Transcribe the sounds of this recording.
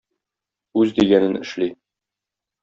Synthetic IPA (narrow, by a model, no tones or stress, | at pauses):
ʉzd̪iɡænɘnɘ̆ʃli